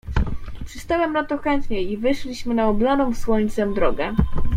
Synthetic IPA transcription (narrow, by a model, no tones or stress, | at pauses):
pʂɘst̪awɛmnat̪ɔxɛnt̪ɲɛivɘʂlʲiɕmɘnaɔblanɔ̃w̃swɔɲt̪sɛmd̪ɾɔɡɛ